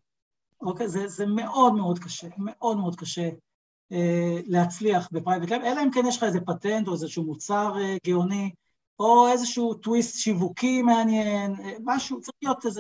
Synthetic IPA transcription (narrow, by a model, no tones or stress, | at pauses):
okejzezeme̞ʔo̞dme̞o̞dkaʃe̞meʔo̞dmeo̞d̪̚kaʃe | elehat͡sliaχbepʁajvetlabelaimkenjeʃlaezepatento̞ezeʃuːmut͡saʁeɡioni | ʔo̞e̞zeʃuːtwistʃivukimeanjenemaʃut͡saʁiχlijo̞teze